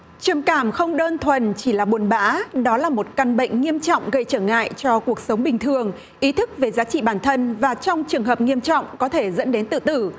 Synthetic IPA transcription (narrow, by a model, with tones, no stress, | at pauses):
t͡ɕə˨˩mkaː˧˩mxə˧wŋ͡mɗəː˧nt̪ʰwə˨˩nt͡ɕi˧˩laː˨˩ɓu˨˩ənɓa̰ː˧˨˦ɗɔ˨˦laː˨˩mo˨˩t̚ka˧˩nɓə̰˧˨jŋ̟ŋi˧əmt͡ɕɔ̰˧˨wŋ͡mɣə˧jt͡ɕəː˧˩ŋa̰ː˧˨jt͡ɕɔ˧ku˨˩ək̚sə˨˦wŋ͡mɓï˨˩ŋ̟t̪ʰɨ˨˩əŋ | ʔi˨˦t̪ʰɨ˦˥k̚ve˨˩zaː˨˦t͡ɕḭ˧˨ɓaː˧˩nt̪ʰə˧nvaː˨˩t͡ɕɔ˧wŋ͡mt͡ɕɨ˨˩əŋɦəː˨˩p̚ŋi˧əmt͡ɕɔ̰˧˨wŋ͡mkɔ˨˦t̪ʰe˧˩zə̰˧˥nɗe˨˦nt̪ɨ̰˧˨t̪ɨ˧˩